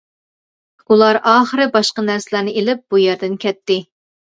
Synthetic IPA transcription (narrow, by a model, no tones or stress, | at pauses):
ulˠɑɾʔɑːχəɾɨbɑʃqɑnæɾsɪlˠæɾnɨʔelɪp̚b̥ujɛɾd̪ɪnkʲɛt̪ːɪ